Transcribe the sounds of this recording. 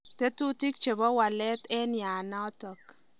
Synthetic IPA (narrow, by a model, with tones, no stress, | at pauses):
te˦tu˦ti˦k̚t͡ʃe˨bɔ˦wa˨lɛ˦tɛ˦nja˨na˦tɔ˨k